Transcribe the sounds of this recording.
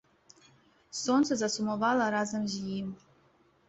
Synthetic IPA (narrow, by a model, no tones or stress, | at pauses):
sont͡sʰazasumovalaɾazamʑijim